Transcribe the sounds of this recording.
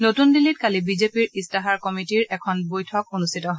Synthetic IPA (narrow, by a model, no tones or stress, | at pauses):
notundilit̚kalibizepiɹistaɦaɹkɔmitiɹɛkʰɔnbojtʰɔkonustʰitɔɦɔ